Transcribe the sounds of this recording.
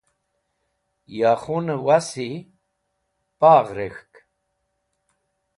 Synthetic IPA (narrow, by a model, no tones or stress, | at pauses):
jaχunəwasi | paːʁɾexk